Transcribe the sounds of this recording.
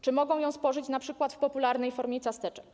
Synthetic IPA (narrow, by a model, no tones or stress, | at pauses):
t͡ʂɘmɔɡɔ̃w̃jɔ̃w̃spɔʐɘt͡ɕnapʂɘkwat̪fpɔpulaɾnɛjfɔɾmʲet̪sast̪ɛt͡ʂɛk